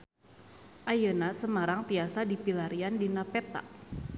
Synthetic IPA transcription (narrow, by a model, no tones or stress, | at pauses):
ʔajənasəmaɾaŋt̪iasadipilaɾiandinapɛt̪a̰